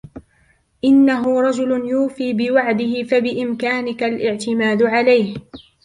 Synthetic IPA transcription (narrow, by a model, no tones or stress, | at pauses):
ʔɪnːaɦʊɾˤɑd͡ʒʊlʊnjuːfiːbɪwaʕd̪ɪhɪfabɪʔɪmkaːnɪkalʔɪʕt̪ɪmaːd̪ʊʕalajh